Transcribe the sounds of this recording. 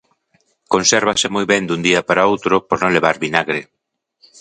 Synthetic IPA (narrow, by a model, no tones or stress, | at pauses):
konsɛɾβasɪmojβɛnd̪und̪iɐpaɾaowt̪ɾʊpoɾnõŋleβaɾβinaɣɾe